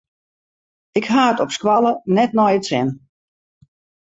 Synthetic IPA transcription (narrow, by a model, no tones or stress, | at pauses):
ɪkɦaːətɔpskwalˠənɛtnɔjətsɪn